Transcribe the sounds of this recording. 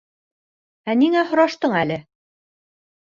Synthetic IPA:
æniŋæhŏɾɑʃt̪ɤɴælɘ

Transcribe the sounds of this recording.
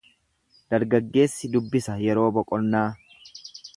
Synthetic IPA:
d̪̥ɐɾɡɐɡːe̞ːsːɪd̪ʊbːɪsɐjɛɾo̞ːbɔkʼɔnːaː

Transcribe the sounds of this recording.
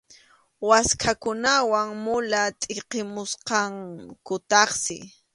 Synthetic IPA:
waskʰakʊnawaŋmʊlat̪ʼɪqɪmʊsqɑŋkʊt̪ɑχsɪ̰

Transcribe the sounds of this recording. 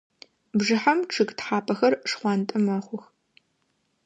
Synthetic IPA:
bʐɨħamʈ͡ʂʰɨɡtħaːpʰɐxɐrʂχʷɑːntʼɨmɐχʷʊx

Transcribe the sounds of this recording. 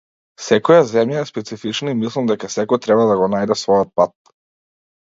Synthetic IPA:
sɛkɔjazɛmjaɛspɛt̪sifit͡ʃnaimislˠamd̪ɛkasɛkɔjt̪ɾɛbad̪aɡɔnajd̪ɛsvɔjɔt̪̚pat̪̚

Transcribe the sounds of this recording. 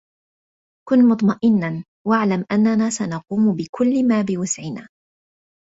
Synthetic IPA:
kʊnmʊt̪ˤmɑʔɪnːan | waʕlamʔanːanaːsanɑquːmʊbɪkʊlːmaːbɪwʊsʕɪnaː

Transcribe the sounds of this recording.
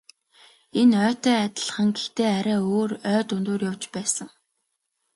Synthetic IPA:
enœːt̪œːat̪ə̆ɮχə̆ŋɡext̪eːæɾæːoːrœːt̪ʊnt̪oːrjawt͡ɕpæːsə̆ŋ

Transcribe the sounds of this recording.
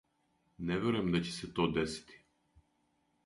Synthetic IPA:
nɛʋeɾuemd̪at͡ɕe̥set̪oːd̪esi̥t̪ʰi̥

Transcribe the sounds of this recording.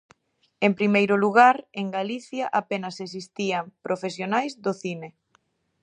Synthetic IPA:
empɾimejɾʊluɣaɾeŋɡaliθjaʔapenɐses̬ist̪iampɾʔofesjonajzðoθine

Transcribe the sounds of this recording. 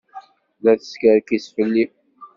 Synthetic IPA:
ðæθə̥skəɾkisfəlːi

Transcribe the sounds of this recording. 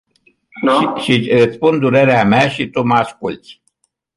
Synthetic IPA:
nʃiɨt̪spund̪uɾeɾeameaʃit̪uməaskult̪sʲ

